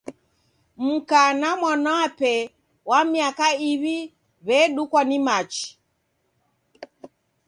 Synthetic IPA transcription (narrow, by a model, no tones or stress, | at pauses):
m̩kanamwanaːpɛ | wamiakaiβi | βɛɗukwanimat͡ʃi̥